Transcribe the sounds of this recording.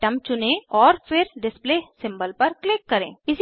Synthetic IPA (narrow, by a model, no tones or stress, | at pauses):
ʈɐmt͡ʃʊnẽɔːɾpʰɪɾɖɪspleːsɪ̃mbəlpɐɾklɪkːɐɾḛ̃ːɪs